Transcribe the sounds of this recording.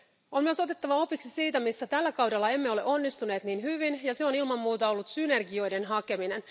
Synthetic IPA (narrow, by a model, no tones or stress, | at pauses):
o̞nmyøso̞t̪e̞t̪ːɑʋɑo̞piksisiːt̪æmisːæt̪ælːækɑwdelːɑe̞mːeo̞le̞ʔo̞nːist̪une̞ːt̪niːnɦyʋinjɑse̞o̞nilmɑmːuːt̪ɑo̞lːut̪syne̞rɡio̞jde̞nɦɑke̞mine̞n